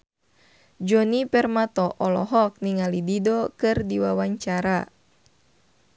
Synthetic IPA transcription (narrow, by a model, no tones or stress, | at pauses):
d͡ʒɔnipɛrmat̪ɔʔɔlɔ̰ɦɔk̚niŋalididɔkɨrdiwawaɲt͡ʃaɾa